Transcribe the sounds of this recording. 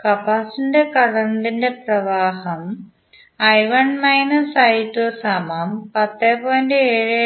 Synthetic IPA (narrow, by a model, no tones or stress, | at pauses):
kɐpaːsindekɐɽɐnd̪inde̞prɐʋaːhɐm | ɐjʋɐɳmɐjnɐsɐjitːosɐmɐmpɐt̪ːeːpoːjɐndeeːɻe